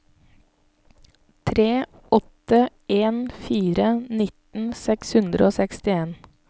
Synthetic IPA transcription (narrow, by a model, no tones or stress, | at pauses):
t̪ʰɾeː | ʔɔt̪ə | eːnfiːɾənɪt̪n̩sɛkshʉnd̪ɾəoːsɛkst̪ɪeːn